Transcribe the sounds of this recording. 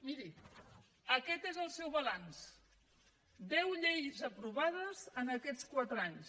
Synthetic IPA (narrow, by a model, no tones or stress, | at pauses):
miɾi | əkɛt̪ezəlˠsɛwβəɣans | d̪ɛwʎejzəpɾuβað̞əzənəkɛt͡skwat̪ɾaɲs